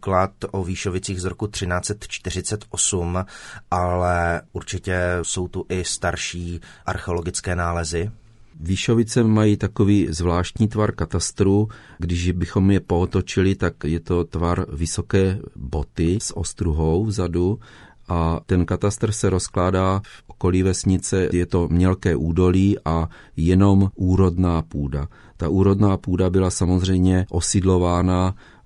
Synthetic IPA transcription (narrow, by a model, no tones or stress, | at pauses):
klat̪ʔoviːʃovɪt͡siːɣzɾokut̪r̥ɪnaːt͡sɛt̪t͡ʃt̪ɪr̝ɪt͡sɛt̪ʔosumʔalɛʔuɾt͡ʃɪcɛso̞wt̪uʔɪst̪aɾʃiːʔa̰ɾxɛo̞lo̞ɡɪt͡skɛːnaːlɛzɪ | viːʃovɪt͡sɛmajiːt̪ako̞viːzvlaːʃt̪ɲiːt̪vaɾkat̪ast̪ɾuːɡdɪʒbɪxo̞mjɛpoot̪ot͡ʃɪlɪt̪akjɛt̪o̞t̪vaɾvɪso̞kɛːbo̞t̪ɪsʔo̰st̪ɾuɦo̞wvzadu | ʔat̪ɛnkat̪ast̪r̩sɛɾo̞sklaːdaːfʔo̥ko̞liːvɛsɲɪt͡sɛjɛt̪o̞mɲɛlkɛːʔuːdo̞liːʔa | jɛno̞mʔuːɾo̞dnaːpuːda | t̪aʔuːɾo̞dnaːpuːdabɪlasamozr̝ɛjmɲɛʔo̞sɪdlo̞vaːna